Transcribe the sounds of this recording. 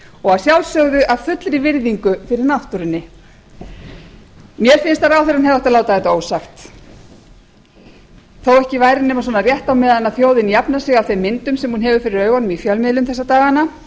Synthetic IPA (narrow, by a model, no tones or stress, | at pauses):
ɔɣaðsjawlsœɣðʏʔavfʏt̪lɾɪvɪɾðiŋkʏfɪɾɪɾnaht̪uɾɪnːɪ | mjɛɾ̥fɪnst̪aɾawθɪɾanɦɛvaht̪alaːwt̪aðθɛt̪aoːwsaxt̪ | θowɛhcɪvaːjɾɪnɛːmasɔnarjɛht̪awmɛːðanaðθjoːwðɪnijapnasɪɣawθejmːɪnt̪ʏmsɛmhunɦɛvʏfɪɾɪɾœːɥɣanʏmifjœlmɪðlʏmθɛsːat̪aːɣana